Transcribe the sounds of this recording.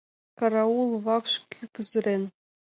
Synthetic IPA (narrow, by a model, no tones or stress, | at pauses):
kɑɾɑulˠʋɑkʂkʲʰypɯzɘ̆ɾʲenʲ